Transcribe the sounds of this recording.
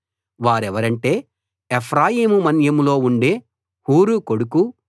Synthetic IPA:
ʋaːɾɛʋɐɾɐɳʈe̞ː | epʰɾaːjiːmumɐnjɐmulo̞ːuɳɖe̞ː | huːɾukoɽuku

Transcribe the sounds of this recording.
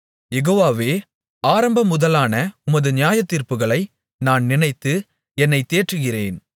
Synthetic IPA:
jɛɣoːʋaːʋeː | aːɾɐmbɐmʊðɐlaːnɐʊmɐðɯnɪjaːjɐt̪ːiːɾpɯɣɐɭɐɪ | naːnnɪnɐɪt̪ːɯ | ɛnːɐɪt̪ːeːʈrɯɣɪreːn

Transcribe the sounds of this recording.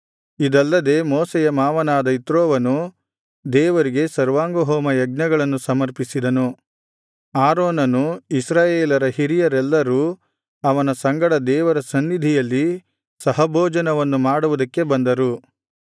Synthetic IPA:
id̪ɐlːɐd̪e̞ːmoːsɛjɐmaːʋɐnaːd̪ɐit̪ɾoːʋɐnu | d̪ɛːʋɐɾiɡe̞sɐɾʋaːŋɡoɦoːmɐjɐɡ̚nɐɡɐɭɐnːusɐmɐɾpisid̪ɐnu | aːɾoːnɐnuisɾaːjeːlɐɾɐhiɾijɐɾɛlːɐɾuː | ɐʋɐnɐsɐŋɡɐɽɐd̪ɛːʋɐɾɐsɐnːid̪ʱijɐlːi | sɐɦɐbʱoːd͡ʒɐnɐʋɐnːumaːɽuʋud̪ɐkːe̞bɐnd̪ɐɾu

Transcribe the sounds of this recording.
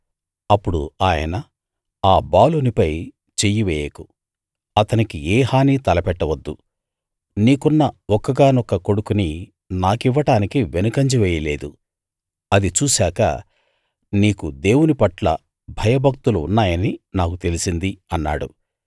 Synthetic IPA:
ɐpːuɽṵaːjɐ̰nɐ | aːbaːlunipɐj | t͡ʃejiʋɛːjeku | ɐt̪ɐnikiɛːhaːniːt̪ɐlɐpɛʈːɐʋɐd̪ːu | niːkunːɐɔkːɐɡaːnɔkːɐko̞ɽukuni | naːkiʋːɐʈaːnikiʋenɐkɐɲd͡ʒiʋɛːjɐlḛːd̪ṵ | ɐd̪it͡ʃuːsaːkɐ̰ | niːkud̪e̞ːwunipɐʈlɐ̰ | bʱɐjɐbʱɐk̚t̪uluṵnːaːjɐninaːkut̪e̞lisind̪iɐnːa̰ːɽṵ

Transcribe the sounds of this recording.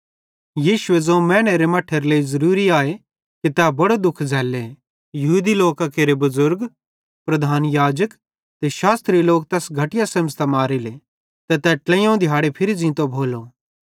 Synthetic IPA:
jiːʃʊezoːmɛ̃ːñeɾemɐʈʰːeɾleːizɐɾuːɾiaːe | kit̪ɛbɐɽod̪ʊkʰd͡zʱɛːle | jɐɦuːd̪iloːkakeːɾebɐzʊɾɡ | pɾɐd̪ʱaːnjaːd͡ʒək | t̪eʃaːst̪ɾiloːk̚t̪ɛːsɡʱɐʈɪjasɐ̃məd͡ʒt̪amaːɾile | t̪ɛt̪ɛʈlɛ̃jãũd̪ʱjaːɽepʰɪɾid͡zĩːt̪obʱoːlo

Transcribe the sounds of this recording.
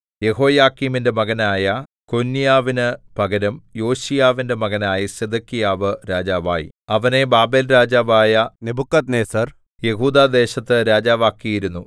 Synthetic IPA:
je̞ɦo̞ːjaːkːiminde̞mɐɣɐnaːjɐ | ko̞nːijaːʋinɨpɐɡɐɾɐmjo̞ːɕijaːʋinde̞mɐɡɐnaːjɐɕed̪ɐkːijaːʋɨɾaːd͡ʑaːʋa̰ːjḭ | ɐʋɐne̞baːbe̞ːlɾaːd͡ʑaːʋaːjɐnebukːɐt̪neːsɐr | je̞ɦuːd̪aːd̪e̞ːɕɐt̪ːɨɾaːd͡ʑaːʋaːkːijiɾunːu

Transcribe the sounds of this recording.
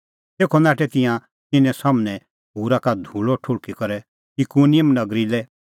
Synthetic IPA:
t̪eːkʰɔnaːʈɛt̪ɪ̃jã | t̪ɪnɛ̃saːmnɛ̃ | ɦuːɾakad̪ʱuɭɔʈʰʊɽkikɐɾɛ | ikunɪjəmnɐɡɾilɛ

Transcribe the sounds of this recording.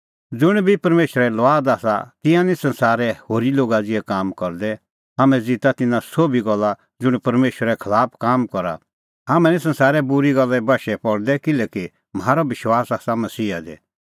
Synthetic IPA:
d͡zʊɽ̃bʱipɐɾmeːʃəɾɛlʋaːd̪aːsa̰t̪ɪ̃jãnisɐ̃nsaːɾɛhoːɾiloːɡad͡zɪɛkaːmkɔɾd̪ɛ | ɦaːmɛ̃d͡zɪt̪at̪ɪnãsoːbʱiɡɔlːa | d͡zʊɽ̃pɐɾmeːʃəɾɛkʰɐlaːpʰkaːmkɔɾa̰ | ɦaːmɛ̃nĩsɐ̃nsaːɾɛbʊɾiɡɔlːɛbɐʃɛpɔɽd̪ɛkɪlɛːki | mɦaːɾabɪʃwaːsaːsamɐsiːa̰d̪ɛ̰

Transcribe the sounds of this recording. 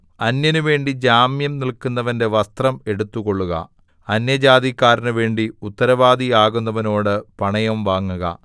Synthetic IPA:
ɐnjɐnuʋe̞ːɳɖid͡ʑaːmjɐmnilkunːɐʋɐnde̞ʋɐst̪rɐme̞ɽut̪ːuɣo̞ɭːuɣɐ̰ | ɐnjɐd͡ʑaːd̪ikːaːɾinuʋe̞ːɳɖiut̪ːɐɾɐʋaːd̪iaːɣunːɐʋɐno̞ːɽɨpɐɳɐjɐmʋaːŋːuɣɐ̰

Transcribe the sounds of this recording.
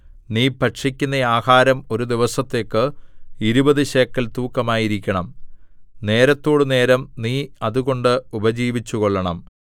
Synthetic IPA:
niːpɐʈʂikʲːunːɐaːhaːɾɐmo̞ɾud̪iʋɐsɐt̪ːe̞ːkːɨiɾubɐðɨɕeːkːɐlt̪uːkːɐmaːjiɾikʲːɐɳɐm | ne̞ːɾɐt̪ːo̞ːɽɨne̞ːɾɐmniːɐðuɣo̞ɳɖɨubɐd͡ʑiːʋit͡ɕːuɣo̞ɭːɐɳɐm

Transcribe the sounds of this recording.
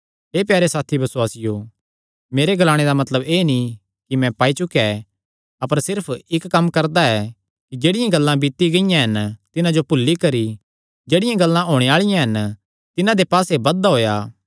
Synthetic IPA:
ɦeːpjaːɾesaːt̪ʰibɐswaːsɪjo | meːɾeɡɐlaːɽ̃ed̪amɐt̪ləbeːni | kimɛ̃paːit͡ʃʊkɛ | ɐpəɾsɪɾpʰɪkːɐmkɐɾd̪aɛ | kid͡ʒeːɽɪjãɡɐlːãbɪt̪iɡɐɪjãɦɐnt̪ɪnãd͡ʒopʊlːikɐɾi | d͡ʒeːɽɪjãɡɐlːãɦoːɽ̃eaːɭɪjãɦɐn | t̪ɪnãd̪epaːsebɐd̪aɦoːjaː

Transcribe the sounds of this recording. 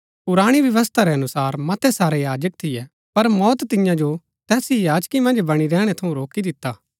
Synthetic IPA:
ʊɾaːɽ̃iʋjɐʋəst̪ʰaɾɛɐnʊsaːɾmɐt̪ʰɛsaːɾejaːd͡ʒək̚t̪ʰɪjɛ | pɐɾmɔːt̪t̪ɪjãd͡ʒo | t̪ɛːsijaːd͡ʒkimɐ̃nd͡ʒbɐɽ̃iɾɛːɽ̃ɛt̪ʰɐũɾoːkid̪ɪt̪ːaː

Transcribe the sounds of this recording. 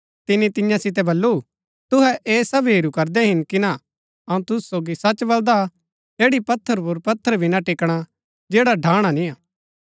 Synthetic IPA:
t̪ɪnit̪ɪjãsɪt̪̬ɛbɐlːu | t̪ʊɦɛʔeːsɐbɦeːɾukɐɾd̪ɛɦɪnkɪna | ɐũt̪ʊssoːɡisɐt͡ʃbɐld̪a | d͡ʒeːɽipɐt̪ʰːəɾpʊɾpɐt̪ʰːəɾbʱinaʈɪkɽ̃a | d͡ʒeːɽaɖʱaːɽ̃anĩaː

